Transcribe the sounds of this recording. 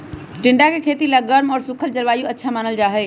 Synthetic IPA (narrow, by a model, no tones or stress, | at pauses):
ʈɪ̃ɳɖakekʰeːt̪ilaɡəɾmɔːɾsʊkʰəld͡ʑɐlʋaːjũɐtːʃʰamaːnəld͡ʑaːɦeː